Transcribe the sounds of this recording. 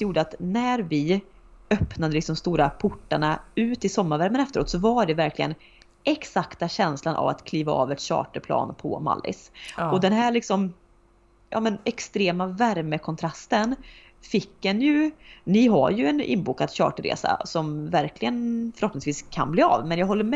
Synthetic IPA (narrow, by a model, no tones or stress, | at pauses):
juːɖəat̪næɾvɪ | œpnad̪əlɪksɔmst̪uːɾapʰʊʈːaɳaʉ̟ːt̪ɪsɔmːaɾvæɾmənɛft̪əɾo̰ːt̪sɔvaɖɛvæɾkʰlɪɡən | ɛksakt̪aɕɛnslanʔa̰va̰t̪kʰliːvaɑːvɛt̪ɕɑ̰ːʈəpʰlɑ̰ːnpʰɔ̰ma̰lːɪ̰sɔd̪ɛnɦæːɭɪksɔm | jɑ̰ːmɛnɛkst̪ɾeːmavæɾməkʰɔnt̪ʰɾast̪ən | fɪkːɛnjɵnɪɦa̰ɾjɵɛnɪ̰nːbuːkad̪ɕɑ̰ːʈəɾḛːsa̰sɔmvæɾklɪɡənfœɾhɔpnɪŋsviːskʰa̰nbliːa̰vmɛnjaɡɦɔlːəm